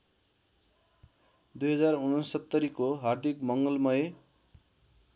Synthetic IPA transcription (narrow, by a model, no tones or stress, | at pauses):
d̪ujɦʌd͡zarunʌnssʌt̪ːʌɾikoɦard̪ʱikmʌŋɡʌlmʌje